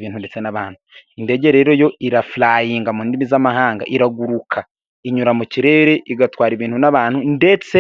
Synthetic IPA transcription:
βiːn̥hundet͡senaβaːnhuinde̞ɟe̞ɾe̞ːɾo̞jo̞iɾaflaːjiːŋɡamuːndimizamaɦaːŋɡa̰ʔiɾaɡuɾukʰa | iɲuɾamuciɾe̞ɾe̞ʔiɡatwaːɾiβiːnhunaβaːnhunde̞t͡se

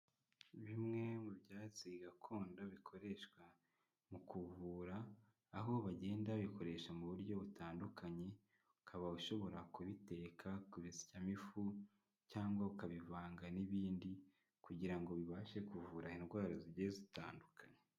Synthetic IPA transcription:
βimŋe̞mubjaːt͡siɡakʰo̞ːndaβikʰo̞ɾe̞ʃkwa | mukuvuːɾaː | ɦo̞βaɟe̞ːndaβiko̞ɾe̞ʃamuβuɾɟo̞βutʰaːndukʰaɲe̞ | ukʰaβauʃo̞βo̞ɾakuβite̞ːkʰakuβizi̥camifu | caːŋɡwaukaβivaːŋɡaniβiːndi | kuɟiɾaŋɡo̞βiβaːʃe̞kuvuːɾahinɡwaːɾaziɟezitaːndukʰaɲe̥

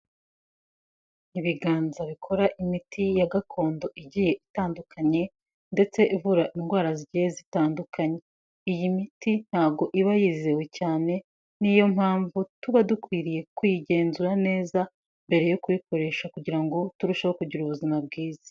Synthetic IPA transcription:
iβiɡaːnzaβikʰo̞ɾaʔimitijaɡakʰo̞ːndo̞ʔiɟije̞ʔitaːndukʰaɲe̞ | nde̞t͡se̞ʔivuɾaʔinɡwaːɾaziɟihezitaːndukʰaɲe̞ | ijimitin̥haːb̚ɡo̞ʔiβajiːzewe̞caːne̞ | nijo̞mhaːɱvutuβadukwiːɾije̞kwiɟe̞ːnzuɾane̞ːza | mbe̞ɾe̞jokuβiko̞ɾe̞ʃakuɟiɾaŋɡo̞tuɾuʃahokuɟuɾuβuzimabɡiːzḁ

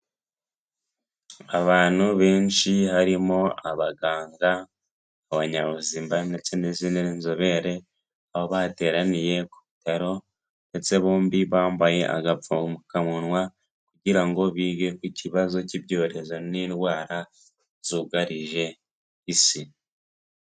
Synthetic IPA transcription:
aβaːn̥huβe̞ːnʃiɦaɾimo̞aβaɡaːŋɡaː | βaɲaβuziːmbande̞t͡se̞nezinenzoβe̞ɾe̞ | aβo̞βaːte̞ːɾanije̞ku̥βitaɾo̞ | nde̞t͡se̞βo̞ːmbiβaːmbaje̞̰ʔa̰ɡavuumukamunwa | kuɟiɾaŋɡo̞βiːɡe̞kuciβazo̞cibɟo̞ːɾe̞zo̞niːnwaːɾa | zuːɡaɾiʒe̞ | hisi

